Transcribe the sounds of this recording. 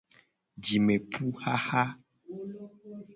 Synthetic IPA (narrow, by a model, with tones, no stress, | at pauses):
d͡ʒi˨me˨pu˦xa˦ha˦